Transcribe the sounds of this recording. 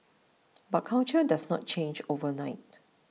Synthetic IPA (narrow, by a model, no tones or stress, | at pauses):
bat̚kʰãw̃nt͡ʃədasnɔ̰t̚t͡ʃẽnd͡ʒovənaɪt̚